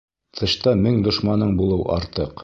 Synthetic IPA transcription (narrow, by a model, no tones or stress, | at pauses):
t̪ʰɤ̆ɕt̪ɑmɘŋd̪ŏʃmɑnɤɴbulˠɤwʔɑ̰ɾt̪ɤq